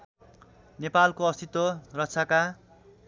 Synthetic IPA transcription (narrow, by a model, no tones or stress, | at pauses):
nepalkoʌst̪it̪worʌtt͡sʰaka